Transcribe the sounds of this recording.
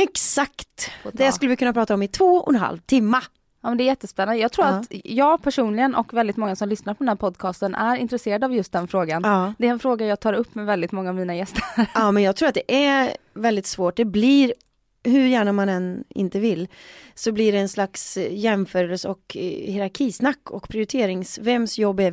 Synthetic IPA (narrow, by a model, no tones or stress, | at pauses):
ɛksakt̪d̪ɛaskɵlːəvɪkʰɵnːapʰɾɑːt̪aɔmɪt̪ʰvoːɔnɦa̰lvt̪ʰɪmːa | ɑːmɛnd̪ɛæɾjɛt̪ːəspɛnːand̪əjɑːɡt̪ʰɾuːɾat̪jɑːɡpʰæʂuːnlɪɡənʔɔ̰kvɛld̪ɪt̪mɔŋːasɔmlʏsnaɾpʰɔd̪ɛnhæːɾpʰɔd̪kʰɑːst̪ənʔæ̰ɾɪ̰nt̪ɾɛseːɾad̪avjɵst̪̚d̪ɛnfɾoːɡanɑːd̪ɛːɾɛnfɾoːɡajɑːɡt̪ʰɑːɾɵpːmɛvɛld̪ɪt̪mɔŋːaːvmiːnajɛst̪əɑmɛnjɑːɡt̪ʰɾuːɾat̪̚d̪ɛʔæ | vɛld̪ɪt̪svoːʈ̚d̪ɛbliɾ | hɵɾjæːɳamanɛnɪ̰nt̪əvɪlːsɔblɪɖɛːnslaksjɛmfœːɾəlsɔkhɪɾaɾkʰiːsnakːɔ̰kpʰɾɪʊɾɪt̪ʰeːɾɪŋsvɛmːsjɔbːæ